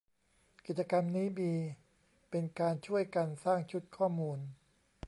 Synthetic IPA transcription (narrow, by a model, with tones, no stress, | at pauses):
ki˨˩t̪̚t͡ɕa˧ka˧mniː˦˥biː˧ | pe˧nkaː˧nt͡ɕʰu˥˩əjka˧nsaː˥˩ŋt͡ɕʰu˦˥t̪̚kʰɔː˥˩muː˧n